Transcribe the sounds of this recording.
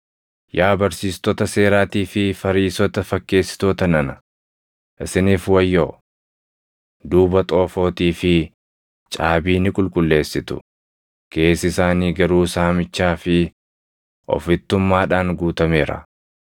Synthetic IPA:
jaːbɐɾsiːst̪ɔt̪ɐse̞ːɾaːt̪iːfɪfɐɾiːsɔt̪ɐfɐkːe̞ːsɪ̥t̪oːt̪ɐnɐnɐ | ʔɪsɪniːfwɐjːoː | d̪uːbɐt̪ʼo̞ːfo̞ːt̪iːfɪ | t͡ʃʼaːbiːnɪkʼʊlkʼʊlːe̞ːsːɪt̪ʊ̰ | kʰe̞ːsɪsaːniːɡɐɾuːsaːmɪt͡ʃːaːfɪ | ʔɔ̰fɪt̪ːʊmːaːᶑaːŋɡuːt̪ɐme̞ːɾɐ̰

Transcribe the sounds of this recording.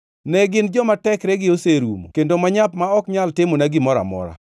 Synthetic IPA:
nɛɡɪnd͡ʒɔmatɛkɾɛɡɪoseɾṵmo̰kendomaɲap̚maɔkɲaltɪmonaɡɪmɔɾa̰mɔ̰ɾa̰

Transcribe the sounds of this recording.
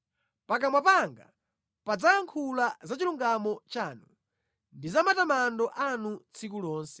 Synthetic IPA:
pak̬amwapaŋɡa̰ | pad͡zajaŋkʰulazat͡ʃiluŋɡamɔt͡ʃaːnu | ndizamatamandɔʔanut͡sʰikulɔːnsɛ̥

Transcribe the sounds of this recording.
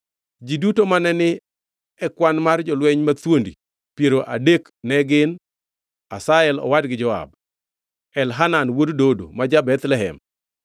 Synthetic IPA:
d͡ʒidutomanɛnɪ | ɛkwanmard͡ʒɔlwɛɲmat̪wondḭ | pjeɾoʔadek | nɛɡɪn | asaɛlɔ̰wadɡɪd͡ʒɔa̰b̚ | ɛlɦananwoddodo̰mad͡ʒabɛt̪lɛɦɛ̰m

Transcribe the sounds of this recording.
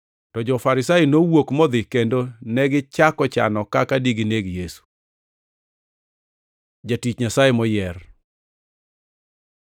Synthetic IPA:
tɔd͡ʒɔfaɾɪsajinowokmɔd̪ɪkendonɛɡɪt͡ʃakɔt͡ʃa̰nɔkakadiɡineɡjesu̥ | d͡ʒatit͡ʃɲasajemɔjɛr

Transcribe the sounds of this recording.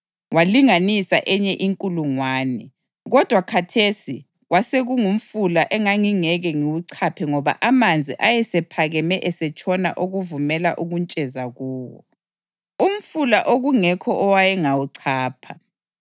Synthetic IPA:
waliŋanisa̰ʔɛɲɛʔiŋkʼuluŋwaːnɛ | ɣɔd̥ʱwakʰatʰesi | ɣwaseɣuŋum̩fulaʔɛŋaŋiŋɛɣɛŋiwuǀʰapʰɛŋɔβa̰ʔamand͡zʱiʔajɛsɛpʰaɣɛmɛʔɛsɛt͡ʃʰʼɔna̰ʔoɣuvumɛla̰ʔuɣunt͡ʃʼɛzaɣuːwɔ̰ | um̩fulaʔoɣuŋɛkʰɔʔɔwajɛŋawuǀʰaːpʰa

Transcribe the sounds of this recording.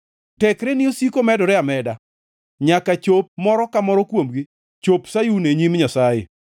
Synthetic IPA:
tɛkɾɛnɪosikomɛdɔɾɛamɛda | ɲakat͡ʃop̚mɔɾɔkamɔɾɔkwomɡi | t͡ʃopsajuneɲimɲasajḛ

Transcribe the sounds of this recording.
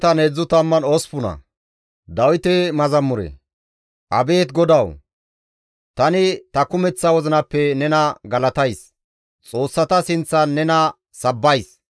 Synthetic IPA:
t̪ɐned͡zːʊt̪ɐmːɐnospʊnɐ̰ | d̪ɐwɪt̪ɛmɐzɐmːʊɾɛ̰ | ʔɐ̰be̞ːt̪ɡɔd̪ɐw | t̪ɐnɪt̪ɐkʊmɛt͡sːɐwɔzɪnɐpːɛnɛnɐɡɐlɐt̪ɐjs | t͡sʼo̞ːsːɐt̪ɐsɪnt͡sːɐnːɛnɐ | sɐbːɐjs

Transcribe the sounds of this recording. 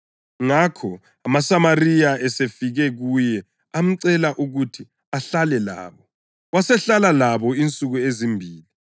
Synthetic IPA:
ŋakʰɔ | amasamarijaʔɛsefiɣɛɣujɛ | am̩ǀɛlaʔuɣutʰi | aɬalɛla̰ːβɔ | wasɛɬalalaβɔint͡sʼuɣuezimbʱiːli

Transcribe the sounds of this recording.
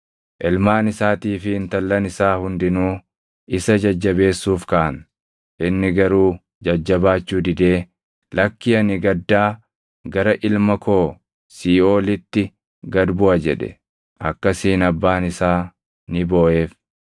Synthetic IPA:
ʔɪlmaːnɪsaːt̪iːfɪːnt̪ɐlːɐnɪsaːhʊnd̪ɪnuː | ʔɪsɐd͡ʒɐd͡ʒːɐbe̞ːsːuːfkɐʔɐn | ʔɪnːɪɡɐɾuː | d͡ʒɐd͡ʒːɐbaːt͡ʃːuːd̪ɪd̪e̞ː | lɐkːɪɐnɪɡɐd̪ːaː | ɡɐɾɐʔɪlmɐkʰo̞ː | siːo̞ːlɪt̪ːɪ | ɡɐd̪bʊʔɐd͡ʒɛ̰ᶑɛ̰ | ʔɐkːɐsiːnɐbːaːnɪsaː | nɪboːʔe̞ːf

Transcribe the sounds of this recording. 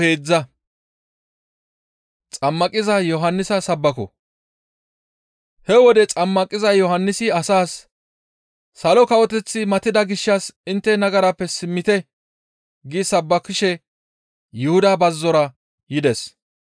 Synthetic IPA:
eːd͡zːɐ | t͡sʼɐmːɐkʼɪzɐjɔɦɐnːɪsɐsɐbːɐkɔ̰ | hɛwɔd̪ɛt͡sʼɐmːɐkʼɪzɐjɔhɐnːɪsɪɐsaːs | ɐlɔkɐwɔt̪ɛt͡sːɪmɐt̪ɪd̪ɐɡɪʃːɐsɪnt̪ːɛnɐɡɐɾɐpːɛsɪmːɪt̪ɛ | ɡisɐbːɐkɪʃɛ | jʊhʊd̪abɐzːɔɾɐ | jɪd̪ɛs

